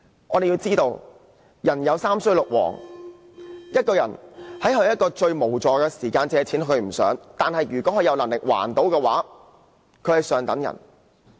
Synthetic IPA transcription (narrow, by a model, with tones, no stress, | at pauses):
ʔɔː˨˧d̪e˨jiː˧wt͡siː˥t̪o˧w | jɐ˨˩njɐ˨˧wsaː˥msɵ˥ɥlʊ˨k̚wɔ̰ː˨˩ŋ | jɐ˥t̚kɔː˧jɐ̰˨˩nhɐ˨˥jɦɵ˨˧ɥjɐ˥t̚kːɔː˧t͡ʃɵ˧ɥmo˨˩wt͡sɔː˨kɛː˧siː˨˩kaː˧nt͡sɛː˧ɛ˨jt͡sʰiː˨˥nɦɵ˧ɥm̩˨˩sœ̰ː˨˥ŋt̪aː˨nhɐ˨jɥyː˨˩kʷɔː˨˥kɵ˨˧jɐ˨˧wlɐ˨˩ŋlɪ˨k̚wa̰ː˨˩nt̪o˨˥wkɛː˧waː˨˥ | kʰɵ˨˧ɥhɐ˨jsœː˨ŋt̪ɐ̰˨˥ŋjɐ̰˨˩n